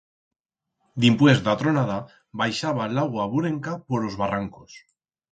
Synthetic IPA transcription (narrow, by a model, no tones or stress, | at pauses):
d̪impwezd̪at̪ɾonaða | βajʃaβalaɣwaβuɾeŋkapoɾlo̞zβaraŋkos